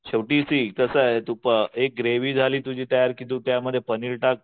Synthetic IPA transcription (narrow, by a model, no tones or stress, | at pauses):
ɕeʋʈiːsik̪əsəet̪upəek̚ɡɾeʋiːd͡zʱaliːt̪ud͡ʑʱiːt̪əjaɾkit̪̬ũt̪jaməd̪ʱːjepəniɭʈak̚